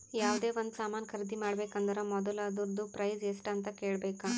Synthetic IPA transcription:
jaːʋd̪e̞ːʋond̪usaːmaːnɐkʰɐɾd̪imaːɽbeːkɐnd̪ɐɾɐmɔd̪ɐlaːd̪uɾd̪upɾɐjzesʈɐnt̪ɐkeːɭbeːka

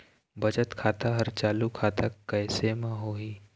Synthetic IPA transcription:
bɐd͡ʒət̪kʰaːt̪aɦəɾt͡ʃaːlukʰaːt̪akɛːsemãɦoːiː

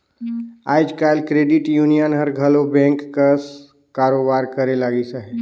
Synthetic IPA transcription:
a̰ːd͡ʒkaːɪlkɾeːɖɪʈjuːnijənɦəɾɡʱɐlobɛ̃ːŋkːəs | kaːɾoːbaːɾkɐɾelaːɡisaɦɛ

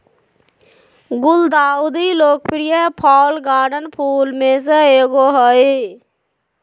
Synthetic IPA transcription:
ɡʊld̪aːud̪iloːk̚pɾijəpʰɔːlɡaːɾɖənpʰuːlmẽs̬əeːɡoɦəe

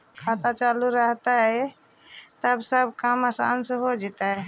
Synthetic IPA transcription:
kʰat̪at͡ʃaluɾəɦt̪aɦɛ | t̪əbsəbʱkəməsa̰nsɦod͡ʒet̪aɦ

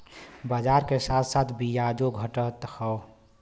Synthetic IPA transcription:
bəd͡ʒaːɾkesaːt̪ʰsaːt̪ʰbijad͡ʒoɡʱəʈət̪hɔw

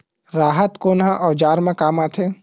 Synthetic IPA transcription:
ɾaːɦət̪koːnɦãʔɔːd͡ʒaːɾmẽkaːmaːt̪ʰe

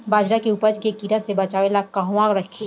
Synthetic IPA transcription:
baːd͡ʒɾakeʊpəd͡ʒkekiːɾasebɐt͡ʃaːʋelakaɦũaːɡɾɐkʰeː

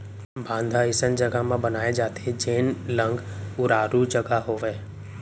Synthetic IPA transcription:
bʱãːnd̪ʱaɪsənd͡ʒɐɡamãbɐnaːed͡ʒaːt̪ʰed͡ʒeːnlə̃ŋɡʊɾaːɾut͡ʃɐɡaɦoːʋeː

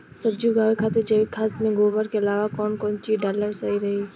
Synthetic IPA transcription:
səbd͡ʒuɡaːʋekʰaːt̪ed͡ʒɐʋikʰaːsmẽɡoːbəɾkeɐlaːʋakɔːnkɔːnt͡ʃiːɖaːləɾsɐɦiɾɐɦi

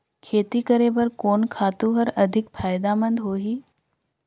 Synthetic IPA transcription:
kʰeːt̪ikəɾeːbəɾkoːnkʰaːt̪ũɦəɾɐd̪ʱɪkpʰaːjd̪amə̃nd̪ɦoːɦiː

